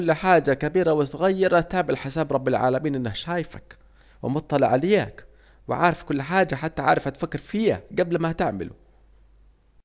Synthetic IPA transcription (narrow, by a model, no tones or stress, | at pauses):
lːħaːd͡ʒakabiːɾawɪsʊɣajːɪɾˤat̪aːʕbɪlħɪsaːbɾˤɑbːalʕa̰ːlamiːnʔɪnːahʃaːjɪfak | wɪ̰mʊt̪ˤːɑlɪ̰ʕalek | wɪ̰ʕaːɾˤɪfkʊlːħaːd͡ʒaħat̪ːaʕa̰ːɾˤɪfʔat̪fakːɪɾfɪːa̰ɡablmat̪ɪʕmɪ̰lʊ̰